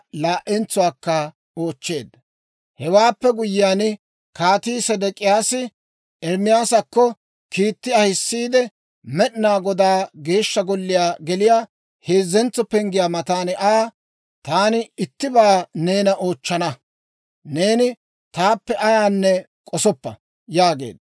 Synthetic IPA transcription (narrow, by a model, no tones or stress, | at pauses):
laːʔɛnt͡sʊwaːkːɐ | o̞ːt͡ʃːe̞ːd̪ | hɛwaːpːɛɡʊjɪjaːn | kaːt̪iːsɛd̪ɛkʼɪjaːsɪ | ɛɾmɪjaːsɐkːɔ | kiːt̪ːɪɐhɪsːiːd̪ɛ | mɛɗnaːɡɔd̪aːɡe̞ːʃːɐɡɔlːɪjaːɡɛlɪjaː | heːzːɛnt͡sːɔpɛŋɡɪjaːmɐt̪aːnɪʔaː | t̪aːnɪɪt̪ːɪbaːne̞ːnɐʔo̞ːt͡ʃːɐnɐ | ne̞ːnɪ | t̪aːpːɛʔɐjaːnːɛ | kʼɔsɔpːɐ | jaːɡḛːd̪